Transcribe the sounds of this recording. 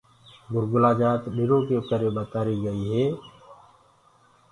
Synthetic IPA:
ɡʊɾɡʊlaːd͡ʒaːt̪ɗɪɾõːkekəɾeːɓət̪aːɾiːɡəiːɦɛː

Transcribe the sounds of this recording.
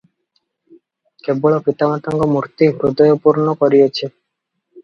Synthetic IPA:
kebɔɭopit̪amat̪aŋɡɔmuɾt̪iɦɾud̪ɔjopuɾnɔkɔɾijet͡ɕʰe

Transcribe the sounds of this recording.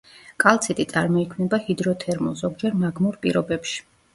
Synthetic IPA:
kʼalˠt̪sʰit̪ʼit̪sʼaɾmɔikʰnɛbahid̪ɾɔt̪ʰɛɾmṵlˠzɔɡ̚d͡ʒɛɾmaɡmuɾpʼḭɾɔbɛpʃi̥

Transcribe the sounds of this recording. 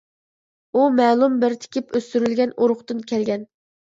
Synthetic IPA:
umɛːlˠumbɪɾt̪ʰɪ̥kʲɪpøst̪yɾylɡʲɛnoɾʊχt̪ɨnkʲʰɛlɡʲɛn

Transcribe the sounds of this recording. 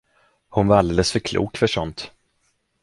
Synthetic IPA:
hʊnvaɾald̪eːləsfœɾkʰlṵːkfœʂɔnt̪

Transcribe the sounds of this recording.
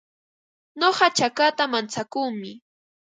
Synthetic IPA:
ɲoɢɑt͡ʃakat̪amant͡sakuːmɪ

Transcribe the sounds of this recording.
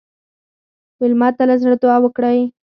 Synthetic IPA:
welmɑt̪alazɽd̪ʊawəkɽaj

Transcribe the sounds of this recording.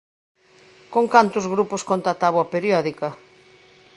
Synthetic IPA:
koŋkant̪ʊzɣɾupʊskont̪at̪aβwɐpeɾjɔðikɐ

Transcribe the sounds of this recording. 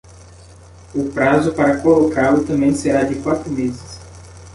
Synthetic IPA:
ʊpɾazʊpaɾɐkolokalʊt̪ɐ̃mbẽj̃seɾad͡ʒɪkwat̪ɾʊmezɪs

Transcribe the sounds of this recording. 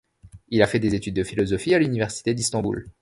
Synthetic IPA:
ilafɛd̪ezet̪yd̪̚ːəfilɔzɔfialynivɛʁsi̥t̪ed̪ist̪ɑ̃bṵl

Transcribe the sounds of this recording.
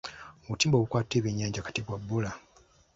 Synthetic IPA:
βutiːmbo̞βukwaːtːeβeɲːaːɲɟakḁtiβwabːula

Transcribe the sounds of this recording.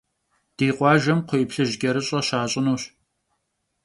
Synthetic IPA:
d̥eːqʷɑːʒɐmqʷʰojpɬɨʑɡʲɐɾɨɕʼɐɕaːɕʼɪnuːɕ

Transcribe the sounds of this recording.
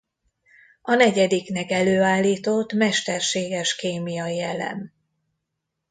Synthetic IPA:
ɒnɛɟɛd̪iknɛkɛløːaːlːiːt̪ot̪ːmɛʃt̪ɛrʃeːɡɛʃkeːmijɒiɛlɛ̰m

